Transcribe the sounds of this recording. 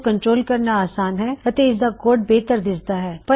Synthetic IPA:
kɐ̃ɳʈɾoːlkɐɾnaaːsaːnɦɛɐt̪eɪsd̪akoːɖ̚beːt̪əɾd̪ɪd͡ʒd̪aɦɛːpɐ

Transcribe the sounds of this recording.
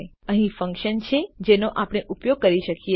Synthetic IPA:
əɦĩfə̃ŋkʃənt͡ʃʰed͡ʒenoʔapəɽ̃eʔupjoɡ̚kəɾiʃəkie

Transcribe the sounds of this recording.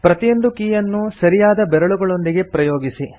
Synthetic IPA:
pɾɐt̪ijond̪ukiːjɐnːusɐɾijaːd̪ɐbɛɾɐɭuɡɐɭo̞nd̪iɡe̞pɾɐjoːɡisi

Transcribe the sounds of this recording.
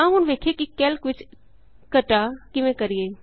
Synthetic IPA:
ãɦunʋeːkʰekikɛːlkʋɪt͡ʃ | kɐʈakɪʋẽkɐɾie

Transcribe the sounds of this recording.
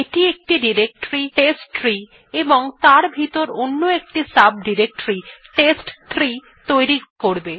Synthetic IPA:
eʈiek̚ʈiɖiɾek̚ʈoɾiʈesʈɾi | eboŋt̪aɾbʱit̪oɾonːoek̚ʈisab̚ɖiɾek̚ʈɾiʈesʈt̪ʰɾi | t̪ojɾikoɾbe

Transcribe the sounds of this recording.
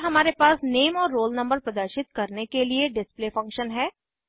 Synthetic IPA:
ɦɐmaːɾepaːsneːmɔːɾːoːlnɐ̃mbəɾpɾɐd̪əɾʃɪt̪kɐɾnekelieɖɪspleːfɐ̃ŋkʃənɦɛː

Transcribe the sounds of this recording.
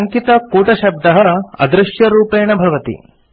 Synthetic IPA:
ɐŋkit̪ɐkuːʈɐʃɐb̚d̪ɐɦɐɐ̰d̪ɾɪʃjɐɾuːpeːɳɐbʱɐʋɐt̪ḭ

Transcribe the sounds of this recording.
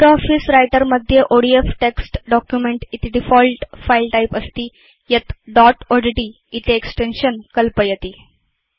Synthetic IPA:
ʈɔfisɾajʈəɾməd̪ʱːjeʔoɽiefʈeksʈɖɔkjumeɳʈit̪iɖifɔlʈfailʈaipəst̪iː | jet̪ɖɔʈɔɖeɖiː | it̪eːksʈenɕənkəlpəjet̪iː

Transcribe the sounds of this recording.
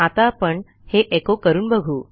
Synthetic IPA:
at̪apəɳ | heʔekokəɾuːnbəɡʱuː

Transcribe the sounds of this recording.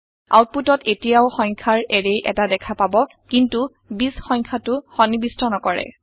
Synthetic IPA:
a̰wt̚putɔtetijaʊxɔɲ̃ŋkʰaɹeɹejʔɛ̰tadɛkʰapabɔ | kintu | bisxɔjɲkʰatʊxɔnibistʰɔnɔkɔɹɛ̰

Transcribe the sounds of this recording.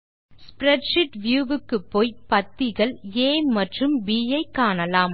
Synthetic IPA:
spɾɛʈʂɪʈʋjuːʋɯkːɯpːoːjpɐt̪ːɪɣɐɭeːmɐʈrɯmbiːjɐɪkːaːnɐlaːm

